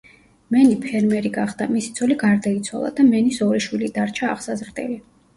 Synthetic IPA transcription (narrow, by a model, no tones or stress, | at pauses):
mɛnipʰɛɾmɛɾiɡaχd̪̥amisi̥t̪sʰɔliɡaɾd̪ait̪sʰwa̰lˠa̰d̪amɛnisɔɾiʃwilid̪aɾt͡ʃʰa̰ːχsazɾt̪ʼɛ̰li